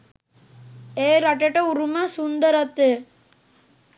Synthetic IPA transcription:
eːɾɐʈːɐʈːɐuɾumasʊnd̪ɐɾɐt̪ːɯ

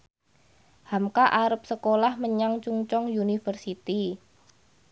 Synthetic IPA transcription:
hamkaʔaɾəp̚səkolahməɲaŋt͡ʃuŋt͡ʃɔŋjunifərsit̪i

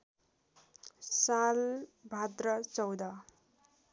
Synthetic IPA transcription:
salbʱat̪rʌt͡sʌwd̪ʌ

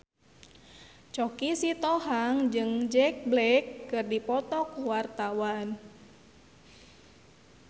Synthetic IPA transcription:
t͡ʃɔkisit̪ɔhaŋd͡ʒɨŋd͡ʒɛk̚blɛkːɨrdipɔt̪ɔkwart̪awan

